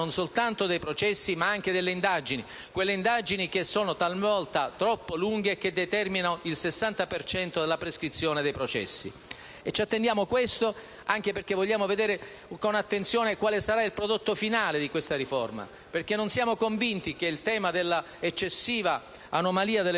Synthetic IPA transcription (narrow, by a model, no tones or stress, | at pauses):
onsolt̪ant̪od̪ejpɾot͡ʃɛsːimaaŋk̟ed̪elːeind̪ad͡ʒini | kwelːeind̪ad͡ʒinik̟esːoːnot̪almvɔlt̪at̪ɾɔpːoluŋɡek̟ed̪ːet̪ɛrminoilsesːant̪apert͡ʃɛnt̪od̪elːapɾeskɾit̪sːjoːned̪ejpɾot͡ʃɛ̰sːḭ | et͡ʃːat̪ːend̪jaːmokwest̪o | aŋk̟eperkevɔʎːaːmoved̪eːɾe | konat̪ːent̪sjoːnekwaːlesaɾailpɾod̪ot̪ːofinaːled̪ikwest̪aɾifɔrma̰ | perk̟enːonsjaːmokoɱvint̪ik̟eilt̪ɛːmad̪elːa | et͡ʃːesːiːva | anomaliːad̪elː